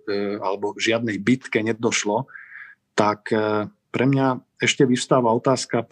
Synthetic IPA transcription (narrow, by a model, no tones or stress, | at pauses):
a̰lɛbɔʒɪad̪nɛjbit̪kɛɲɛd̪ɔʃlɔ | t̪ak | pɾʔɛmɲa | ɛʃcɛʋiʊ̥st̪aːʋaɔt̪aːska